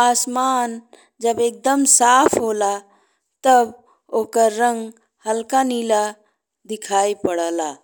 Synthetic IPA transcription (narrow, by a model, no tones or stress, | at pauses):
aːsmaːn | d͡ʒəbeːk̚d̪əmsaːpʰɦoːla | t̪əb | oːkəɾːə̃ŋɡ | həlkaniːla | d̪ɪkʰaːipəɽəlaː